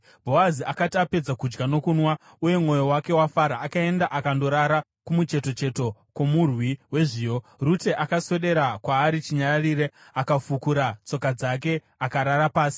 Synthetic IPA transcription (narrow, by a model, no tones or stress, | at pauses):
bʱo̞aziakatiape̞d͡zakud͡ʒɡano̞kuːnwa | uje̞mŋo̞jo̞wake̞wafaɾaːkae̞ndaʔakando̞ɾaɾa | kumut͡ʃe̞to̞t͡ʃe̞to̞komurwiwe̞ʐiːjo̞rute̞ʔakaswe̞ɗe̞ɾakwaːɾit͡ʃiɲarariːɾe̞ | akafukuɾat͡so̞kad͡zak̬e̞ | akaɾaɾapaːsi̥